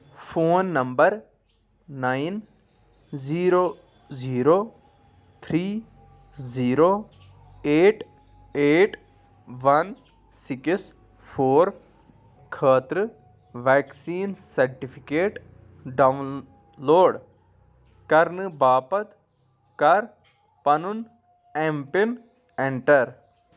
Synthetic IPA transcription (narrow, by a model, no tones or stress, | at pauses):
fʰoːnːɐmbəɾ | naːin | ziːɾoː | ziːɾoː | t̪ʰɾiː | ziːɾoː | eːʈ | eːʈ | ʋɐn | sɪks | pʰoːɾ | kʰəːt̪ɾɨ | ʋɛːksiːnsɐɾʈipʰikeːʈ | ɖɐʋ | loːɖ | kɐɾnɨbaːpɐt̪ | kɐɾ | pɐnʊn | ẽmpin | ẽɳʈɐɾ